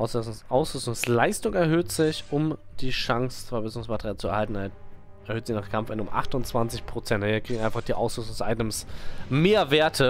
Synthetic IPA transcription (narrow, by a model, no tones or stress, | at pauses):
ʔaʊsʔaʊsʁʏstʊŋslaɪstʊŋɛɐhøːtz̥ɪçʊmd̥iːʃaŋst͡sɛɐbɛsʊŋsmatəʁijaːlt͡suɛɐhaltn̩a | ʔɛɐhøːtz̥ɪçnaːχkʰamfɪnʊmʔa̰χtʊnt͡sv̥ant͡sɪçpʁ̥ot͡sɛntːɐkʁ̥iːŋ̩aɪnfaχd̥iːʔa̰ʊsʁʏstʊŋsʔa̰ɪtəmsmeːɐveːɐtʰə